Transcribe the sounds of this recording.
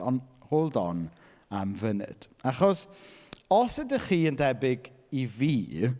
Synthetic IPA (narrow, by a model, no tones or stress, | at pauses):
ɔnhoːlˠdɔ̰n | amvənɨ̰d̥aχɔs | ɔsədəχiːəndɛbɪɡ | iviː